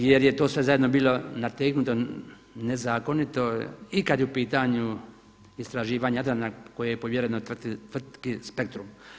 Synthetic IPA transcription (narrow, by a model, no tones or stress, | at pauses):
jeɾjet̪o̞ːsʋe̞zajed̪nobiːlo̞nat̪eknut̪o | nezaːko̞nit̪o̞ikad̪jɛupiːt̪aɲu | ist̪ɾaʒiːʋaːɲaad̪ɾanako̞jejepoʋjeɾenot̪rt̪it̪rt̪kispe̞k̚t̪ɾum